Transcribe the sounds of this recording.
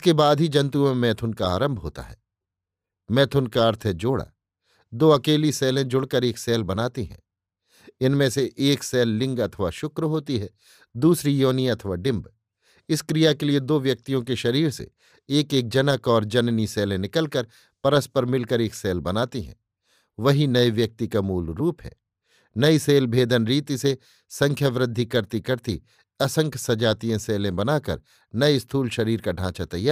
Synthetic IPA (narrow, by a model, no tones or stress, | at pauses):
kebaːd̪ʱɦid͡ʒɐ̃nt̪̬umẽmɛːt̪ʰʊnkaaːɾə̃mbʱɦo̰ːt̪a̰ɦɛ̰ː | mɛːt̪ʰʊnkaɐɾt̪ʰd͡ʒoːɽa̰ | d̪oːɐkeːlisɛːlẽd͡ʒʊɽkəɾeːksɛːlbɐnaːt̪iɦɛ̰̃ː | ɪnmẽseʔːksɛːlːɪ̃ŋɡɐt̪ʰʋaʃʊkɾɦoːt̪iɦɛː | d̪uːsɾijoːniɐt̪ʰʋaɖɪ̃mb | ɪskɾijakelied̪oːʋjɐk̚t̪ijõkeʃɐɾiːɾsḛ | eːkeːk̚d͡ʒɐnəkɔːɾd͡ʒɐnniseːlẽnɪkəlkəɾ | pɐɾəspəɾmɪlkəɾeːkseːlbɐnaːt̪iɦɛ̰̃ː | ʋɐɦinɐeʋjɐk̚t̪ikamuːlɾuːpɦɛ̰ː | nɐiseːlbʱeːd̪ʱənɾiːt̪ise | sɐ̃ŋkʰjəʋɾɪd̪ʱːikɐɾt̪ikɐɾt̪ḭ | ɐsə̃ŋkʰsɐd͡ʒaːt̪iẽseːlẽbɐnaːkə̰ɾ | nɐest̪ʰuːlʃɐɾiːɾkaɖʱãːt͡ʃat̪ɐjaːɾ